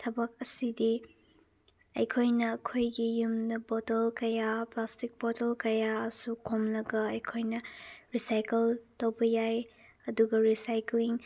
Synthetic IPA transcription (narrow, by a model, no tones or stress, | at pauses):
tʰɐbɐk̚ɐsidi | ɐ̰jkʰojnɐːkʰojɡijumnɐbɔtɐlkɐjaplastik̚bɔtɐlkɐjaɐsukʰomlɐɡɐɐjkʰojnɐɾisajkɐltowbɐjaj | ɐduɡɐɾisajkliŋ